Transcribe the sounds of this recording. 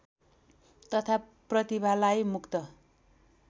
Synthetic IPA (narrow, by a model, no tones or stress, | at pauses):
t̪ʌt̪ʰa | prʌt̪ibʱalajmukt̪ʌ